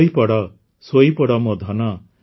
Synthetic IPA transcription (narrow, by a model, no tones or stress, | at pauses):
jpɔɽɔ | sojpɔɽɔmɔd̪ʱɔna